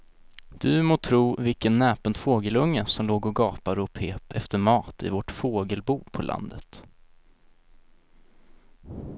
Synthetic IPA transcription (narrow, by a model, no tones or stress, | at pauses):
d̪̥ɵmoːt̪ʰɾuːvɪlkənːɛːpənt̪foːɡəlɵŋːəsɔmloːɡɔɡɑːpad̪əɔpʰeːpɛft̪əɾmɑːt̪ɪ̰vɔʈfoːɡəlbuːpʰɔlʔa̰nd̪ət̪